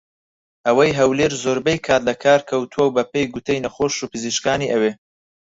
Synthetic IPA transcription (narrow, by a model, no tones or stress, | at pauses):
ʔɐwɐjɦɐwleːɾzoːɾbejkʰaːt̪lɐkʰaːɾkʰɐwt̪ʰuwɐwbɐpejɡut̪ʰejnɐχoːʃupʰɨziʃkaːniːʔɐweː